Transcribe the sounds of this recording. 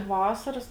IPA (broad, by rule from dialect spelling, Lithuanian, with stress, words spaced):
ˈʋɑːsɐrɐs